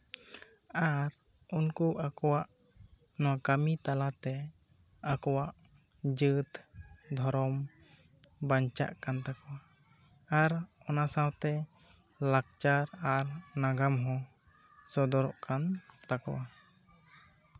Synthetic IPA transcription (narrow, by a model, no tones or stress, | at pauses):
aɾ | unkuʔakɔwaʔ | nɔwakamit̪alat̪ɛ | akɔwaʔ | d͡ʒɨt̪d̪ʱɔɾɔm | baɲt͡ʃa̰ʔkant̪akɔwa | aɾɔnasãwt̪ɛ | lak̚t͡ʃaɾaɾnaɡamɦɔ | sɔd̪ɔɾɔʔkant̪akɔwa